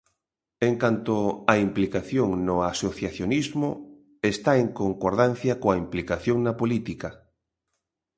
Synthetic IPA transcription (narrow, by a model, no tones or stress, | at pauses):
eŋkant̪oaimplikaθjoŋnʊasoθjaθjonizmʊ | est̪aeŋkoŋkoɾð̞an̟θjɐkoaimplikaθjoŋnɐpolit̪ika